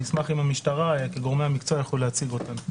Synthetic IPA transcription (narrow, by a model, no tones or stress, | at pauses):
ismaχimamiʃtaʁajakeɡoʁme̞jamikt͡soajaχolulehat͡siɡo̞tam